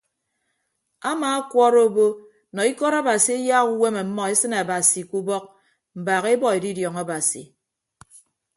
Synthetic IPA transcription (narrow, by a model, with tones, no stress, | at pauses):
a˦maː˨a˦kwɔ˦ɾo˦bo˦ | nɔ˨i˦kɔ˦ɾa˦ba˨si˨e˦ja˦ɣu˦we˦me˨m̩˦mːɔ˨e˦sɨ˦na˨ba˨si˨ku˦bɔ˦k̚ | m̩˨baː˨ɣe˦bɔ˦e˨di˦djɔ˨ŋa˦ba˨sḭ˨